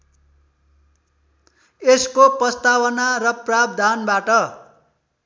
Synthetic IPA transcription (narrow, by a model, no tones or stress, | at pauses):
eskoprʌst̪awʌnaɾʌprab̚d̪ʱanbaʈʌ